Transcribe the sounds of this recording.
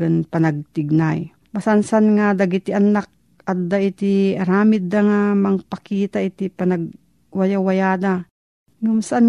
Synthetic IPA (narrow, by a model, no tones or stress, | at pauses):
ɐnpɐnɐɡ̚t̪ɪɡ̚naj | masansanŋad̪aɡɪt̪ɪʔɐnak̚ | ʔɐt̪̚d̪aɪt̪ɪɐɾaːmɪd̪aŋamɐŋpɐkiːt̪aʔɪt̪ipɐnɐɡ̚ | wajawɐjaːd̪a | ŋʊmsaʔan